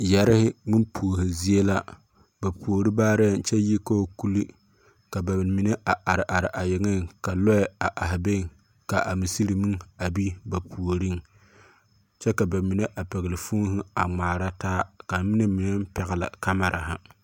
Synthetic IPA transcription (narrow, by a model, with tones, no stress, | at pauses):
jɛ˨ɾɪ˦hɪ˦mi˦npʰu˨o˨ɦɪ˨zi˦e˦la˦ | ba˨pu˨o˨ɾi˦baː˦ɾɛ˦˨n˨t͡ʃɛ˦ji˦ko˦ku˦li˦ | ka˨ba˨mi˨ne˦ʔa˨ʔa˨ɾɪ˨ʔa˨ɾɪ˨ʔa˨jɪ˨ŋɪ˦˨ŋka˨lɔ˦ɪ˨a˨ʔa˨ɦɪ˨be˦˨ŋ | ka˨ʔa˨mi˨si˦ɾi˨mi˦ŋa˨bi˦ba˨pʰu˨o˨ɾi˦ŋ | t͡ʃɛ˦ka˨ba˨mi˨ne˦ʔa˨pɛ˨ɣɪ˨lɪ˨fu˦ŋ˦ɦɪ˦a˨ŋ͡maː˨ɾa˦taː˦ka˨mi˦ne˦mi˨ne˦m̩˦pɛ˨ɣɪ˨la̰˨ka˦ma˨ɾʔa̰˨ɦa˦